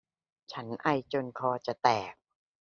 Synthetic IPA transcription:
t͡ɕʰa˦˥nʔa˧jt͡ɕo˧nkʰɔː˧t͡ɕa˨˩t̪ɛː˨˩k̚

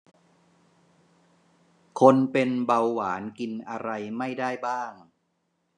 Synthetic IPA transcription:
kʰo˧npe˧nba˧wːaː˩˦nki˧nʔa˧ɾa˧jma˥˩jdaː˥˩jbaː˥˩ŋ

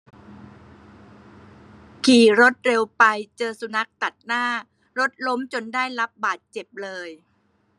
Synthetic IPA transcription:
kʰiː˨˩ɾo˦˥t̪̚ɾe˧wpa˧jt͡ɕɤː˧su˧na˦˥k̚t̪a˨˩t̪̚naː˥˩ | ɾo˦˥t̪̚lo˦˥mt͡ɕo˧ndaː˥˩jla˦˥p̚baː˨˩t̪̚t͡ɕe˨˩p̚lɤː˧j

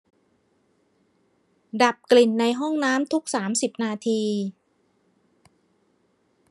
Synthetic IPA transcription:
da˨˩p̚kli˨˩nːa˧jɦɔ˥˩ŋnaː˦˥mt̪ʰu˦˥k̚saː˩˦msi˨˩p̚naː˧t̪ʰiː˧

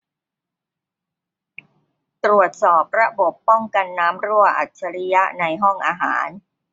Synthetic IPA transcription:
t̪ɾu˨˩ət̪̚sɔː˨˩p̚ɾa˦˥bo˨˩pːɔ˥˩ŋka˧nːaː˦˥mɾu˥˩əʔa̰˨˩t̪̚t͡ɕʰa˧ɾi˦˥ja˦˥ʔna˧jɦɔ˥˩ŋʔaː˧ɦa̰ː˩˦n

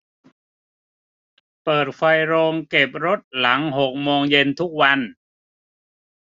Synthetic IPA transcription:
pɤː˨˩t̪̚kʰa˧jɾoː˧ŋke˨˩p̚ɾo˦˥t̪̚la˩˦ŋɦo˨˩k̚moː˧ŋje˧nt̪ʰu˦˥k̚wa˧n

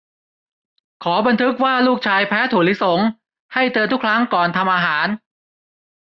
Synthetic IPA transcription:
kʰɔː˩˦ba˧nt̪ʰɯ˦˥k̚waː˥˩luː˥˩k̚t͡ɕʰaː˧jpʰɛː˦˥t̪ʰuː˨˩li˦˥so˩˦ŋ | ha˥˩jt̪ɤː˧nt̪ʰu˦˥kʰɾa˦˥ŋkɔː˨˩nt̪ʰa˧mʔaː˧ɦaː˩˦n

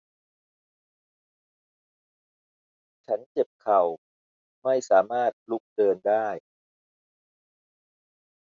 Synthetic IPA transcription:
t͡ɕʰa˦˥nt͡ɕe˨˩p̚kʰa˨˩w | ma˥˩jsaː˩˦maː˥˩t̪̚lu˦˥k̚dɤː˧ndaː˥˩j

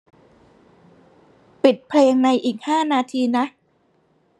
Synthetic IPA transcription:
pi˨˩t̪̚pʰleː˧ŋna˧jʔiː˨˩k̚haː˥˩naː˧t̪ʰiː˧na˦˥ʔ

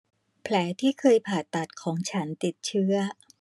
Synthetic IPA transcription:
pʰlɛː˩˦t̪ʰiː˥˩kʰɤː˧jpʰaː˨˩t̪ːa˨˩t̪̚kʰɔː˩˦ŋt͡ɕʰa˦˥nt̪i˨˩t̪̚t͡ɕʰɯ˥˩ɐ

